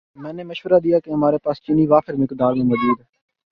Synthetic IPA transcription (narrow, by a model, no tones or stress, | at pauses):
mɛ̃ːneməʃʋəɾaːd̪ijaːkeɦɐmaːɾepaːst͡ʃiːniːʋaːfɪɾmɪkd̪aːɾmẽːmədiːd̪ɦɛː